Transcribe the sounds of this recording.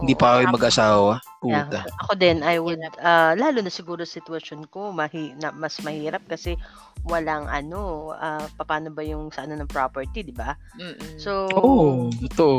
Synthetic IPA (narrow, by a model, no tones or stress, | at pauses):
hɪnd̪iːpɐɐkojŋmɐɡʔɐsaːwɐpuɐʔɐko̞d̪ɛnɐjwɪlʔɐlaːlʊnɐsɪɡuːɾosɪt̪wɐʃo̞nko̞mɐhinɐmɐsmɐhiːɾɐp̚kɐsɛ | wɐlaŋʔɐ̰no̞ʔapɐpaːno̞bɐjʊŋsɐʔɐno̞nɐŋpɹopɛɹt̪id̪ɪba | sooɡɐt̪oʔo